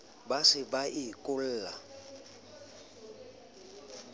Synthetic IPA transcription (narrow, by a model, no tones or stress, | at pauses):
basɪbaʔɪkʼʊl̩ːla